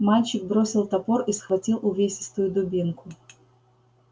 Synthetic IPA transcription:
malʲt͡ɕɪk̚bɾo̞sʲɪlˠt̪ɐpo̞risxvɐtʲilˠʊvʲesʲɪst̪ʊjʊd̪ʊbʲinkʊ

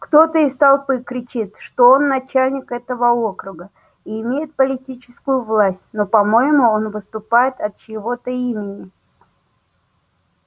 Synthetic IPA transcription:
kt̪o̞t̪əɪst̪ɐlˠpɨkɾʲɪt͡ɕit̪ʂt̪o̞onːɐt͡ɕælʲnʲɪkɛt̪əvəo̞kɾʊɡə | iːmʲejɪt̪̚pəlʲɪtʲit͡ɕɪ̥skʊjʊvlˠasʲt̚ʲno̞pɐmo̞jɪmʊo̞nvɨst̪ʊpajɪt̪ɐt̪̚t͡ɕɪvo̞t̪əimʲɪnʲɪ

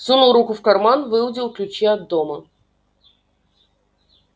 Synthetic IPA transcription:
sunulˠɾukʊfkɐrmanvɨlˠdʲilˠklʲʉt͡ɕeɐd̪ːomə

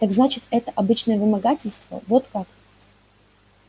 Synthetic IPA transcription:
t̪aɡznat͡ɕɪt̪ɛt̪əʔɐbɨt͡ɕnəjəvɨmɐɡatʲɪlʲst̪və̰vo̞t̪kak

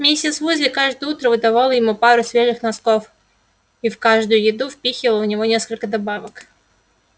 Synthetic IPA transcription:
mʲesʲɪt̪svuzʲlʲɪkaʐd̪əjəut̪ɾəvɨd̪avalˠəjɪmupaɾʊsvʲeʐɨxnaskof | ifkaʐd̪ʊjʊjɪd̪ufpʲixʲɪəlˠəʊnʲɪvonʲeskəlʲkəd̪abavək

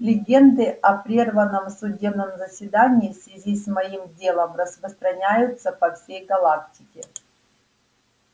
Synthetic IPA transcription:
lʲɪɡʲe̞nd̪ɨɐpɾʲervənːəmsʊdʲe̞bnəmzəsʲvʲɪd̪anʲɪːsvʲɪzʲismɐimdʲe̞lˠəmrəspɾəst̪ɾɐnʲæjʊt̪sːəpɐfsʲejɡɐlˠak̚tʲɪkʲɪ

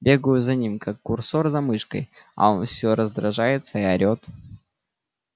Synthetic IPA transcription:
bʲe̞ɡəjʊzɐnʲimkakːʊrso̞rzɐmɨʂkəj | ɐ̰o̞nfsʲoɾəzd̪ɾɐʐajɪt̪səiɐɾʲo̞t̪

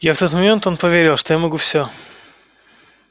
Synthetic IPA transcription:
jaft̪ɔt̪mɐmʲɛnt̪ɔnpɔvʲeɾʲalˠʂt̪ɔjamɔɡufsʲɔ

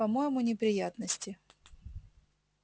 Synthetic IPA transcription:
ɐmojɪmʊnʲɪpɾʲɪjat̪nəsʲtʲɪ

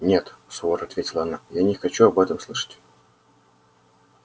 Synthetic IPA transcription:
nʲe̞t̪soɾɐt̪vʲetʲɪlˠəɐnajanʲɪxɐt͡ɕuɐbɛt̪əmslˠɨʂə̥tʲ

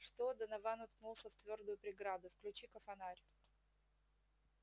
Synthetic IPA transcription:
ʂt̪od̪ənɐvanʊt̪̚knulˠsəft̪vʲo̞rd̪ʊjʊpɾʲɪɡɾad̪ʊfklʲʉt͡ɕikəfɐnaɾʲʊ

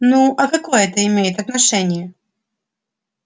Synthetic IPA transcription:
nuʔɐkɐkojəɛt̪əɪmʲejɪt̪ɐt̪nɐʂɛnʲɪjə

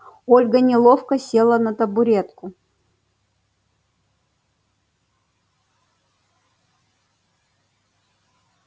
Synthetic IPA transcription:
olʲɡənʲɪlˠofkəsʲe̞lˠənɐt̪ɐbʊɾʲet̪kʊ

